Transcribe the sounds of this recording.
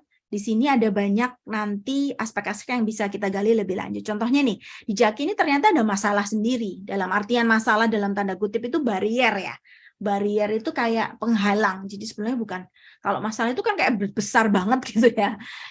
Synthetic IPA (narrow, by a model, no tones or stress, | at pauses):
d̥isiniadabaɲak̚nant̪iaspɛkasɛ̥kjaŋbisakit̪aɡalɪləbɪhla̰ɲd͡ʒʊt̪̚t͡ʃɔnt̪ɔhɲanɪhd̥id͡ʒakinit̪ərɲat̪aːdamasalahsəndiɾidalamart̪ianmasalahdalamt̪andakut̪ɪpit̪ubaɾiɛrja̰ | baɾiɛɾit̪ukajaʔpəŋɦalaŋd͡ʒadisəbəlaɲabukan | kalo̰ʔmasalaɦit̪ukankajaʔbb̥əsarbaŋət̪̚ɡit̪uja